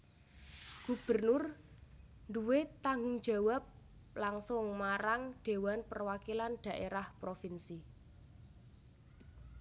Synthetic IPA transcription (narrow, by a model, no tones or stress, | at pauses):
ɡ̥ṳb̥ə̤rnʊr | nduwet̪aŋɡʊŋd̥ʒ̥a̤wap̚ | laŋsʊŋmaɾaŋɖ̪̥e̤wanpərwakilanɖ̪̥ä̤ʔeɾahpɾofinsi